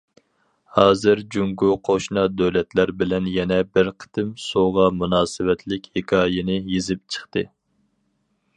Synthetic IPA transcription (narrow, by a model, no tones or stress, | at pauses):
hɑːzɨɾd͡ʒuŋɡuqʰoʃnɑd̪øwlɛt̪læɾbɪlɛnjɛnɛbɪɾqʰə̥t̪ʰɨmsoʁɑmunɑːsɨwɛt̪ʰlɪkʲhekʰɑːjɪnɪjezɪp̚t͡ʃʰə̥χt̪ɨ